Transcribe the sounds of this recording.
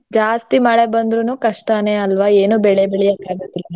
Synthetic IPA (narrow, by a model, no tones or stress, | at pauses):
d͡ʒaːst̪imaːɭebɐnd̪ɾunukɐʂt̪aːne̞ɐlʋaeːnubɛɭebɛɭijɐkaːɡod̪ilɐn